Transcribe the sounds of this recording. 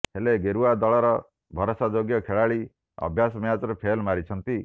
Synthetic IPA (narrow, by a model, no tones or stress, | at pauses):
heleɡeɾuad̪ɔɭɔɾɔ | bʱɔɾosad͡ʒoɡjɔkʰeɭaɭi | ɔ̰bʱjas̬ɔmjat͡ʃɔɾepʰelmaɾit͡ʃʰɔnt̪i